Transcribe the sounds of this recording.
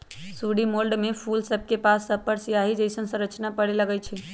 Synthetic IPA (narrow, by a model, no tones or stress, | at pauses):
suɽimolɖmepʰulsəb̚ʱkepasːəpəɾsijaɦid͡ʒəɪsənsə̃ɾət͡ʃnapəɽeləɡɛt͡ʃʰi